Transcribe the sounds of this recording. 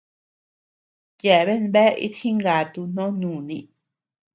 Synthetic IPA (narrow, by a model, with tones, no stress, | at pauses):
je˨βe˦nbe˦ʔḭ˦t̪xĩ˦ŋɡa˨˧t̪u˧n̥õ˦nũ˨nĩ˧